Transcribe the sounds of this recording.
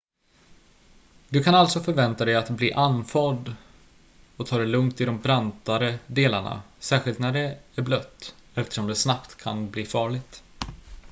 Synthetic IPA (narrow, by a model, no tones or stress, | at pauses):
d̪ɵkʰanalt̪sɔfœɾvɛnt̪ad̪ɛjat̪bliːʔanːfɑːd̪ | ɔt̪ʰɑːd̪ɛlɵŋkt̪ɪd̪ɔmbɾant̪aɾəd̪eːlaɳa̰sæːɾɧɪlt̪næɖɛæɾblœt̪ːɛft̪ə̥ʂɔmd̪ɛsnapt̪kʰa̰nbliːfɑːɭɪɡt̪